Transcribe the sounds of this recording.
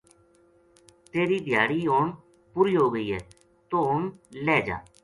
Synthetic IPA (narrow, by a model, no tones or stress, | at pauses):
t̪eːɾiːd̪ʱjaːɽiːoːɳ | pʊːɾiːɦoːɡəiːɦɛː | t̪oːɦʊɳlɛːd͡ʒa̰ː